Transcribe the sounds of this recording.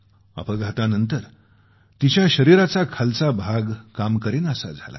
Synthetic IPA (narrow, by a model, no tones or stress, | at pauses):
a̰pəɭɡʱat̪anənt̪əɾ | t̪it͡ɕjaɕəɾiɾat͡sakʰalt͡sabʱaɡkamkəɾenəsa̰d͡zʱa̰la̰